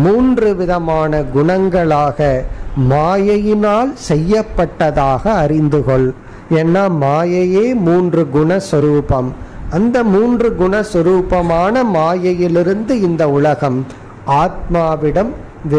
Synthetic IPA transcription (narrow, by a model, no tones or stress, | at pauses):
muːndrɯʋɪðɐmaːnɐɡʊɳɐŋɡɐɭaːɣɐmaːjɐjɪnaːlsɛjːɐpːɐʈːɐðaːɣɐːɾɪnd̪ɯɣɔɭ | ɛnːaːmaːjɐjeːmuːndrɯɡʊɳɐswɐɾuːpɐmɐnd̪ɐmuːndrɯɡʊɳɐswɐɾuːpɐmaːnɐmaːjɐjɪlɪɾɯnd̪ɯɪnd̪ɐʊɭɐɣɐm | aːt̪̚maːʋɪɽɐm | ʋɪ